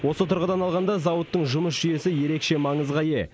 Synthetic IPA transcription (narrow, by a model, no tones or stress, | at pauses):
wo̞sət̪ʰʊɾʁəd̪ɑnɑlˠʁɑnd̪ɑzɑwət̪ːəɴʒʊməsʒ̥ʏje̞sɪje̞ɾe̞kʃe̞mɑɴəzʁɑje̞